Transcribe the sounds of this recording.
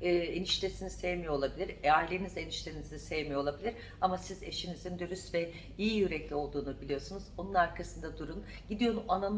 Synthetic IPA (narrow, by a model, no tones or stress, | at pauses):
ɛːeniʃt̪ʰesinisejmijoo̞lˠabilʲiɾeaɾlʲiːnizeniʃt̪ʰʲenizinisejmijolˠabilʲiɾ | amasizeʃinizind̪yɾyst̪vɛ | ijijyɾɛclʲio̞lˠd̪uːnubilʲijo̞sunuzo̞nunaɾkʰasɯnd̪ad̪uɾun | ɟ̥id̪ijo̞manam